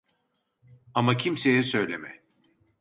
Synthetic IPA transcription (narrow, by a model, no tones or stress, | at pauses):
amacʰimse̞jɛsø̞jlʲemɛ̰